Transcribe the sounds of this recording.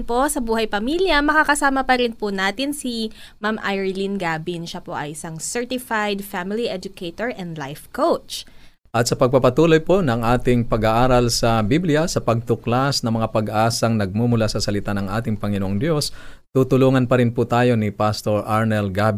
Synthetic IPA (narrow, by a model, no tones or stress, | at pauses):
npo̞sɐbuːhɐjpɐmiljɐmɐkakɐsaːmɐpɐɾɪnpʊnaːt̪ɪnsimamʔajɹlinɡaːbɪnʃɐpo̞ʔɐjʔɪsaŋsɛɹt̪ɪfajd̪famɪliʔɛd͡ʒʊkejt̪oɹʔɛnd̪lajfkowt͡ʃ | ʔɐt̪̚sɐpɐɡ̚pɐpɐt̪uːlojponɐŋʔaːt̪ɪŋpɐɡaːʔaːɾɐlsɐbiblɪjɐsɐpɐɡ̚t̪ʊklasnɐŋmɐŋapɐɡʔaːsɐŋnɐɡ̚mumʊlasɐsɐlɪt̪anɐŋʔa̰ːt̪ɪŋpɐŋɪnoʔoŋd̪jo̞s | t̪ut̪ʊluːŋɐnpɐɾɪnpʊt̪aːjo̞nɪpast̪o̞ɹʔaɹnɛlɡab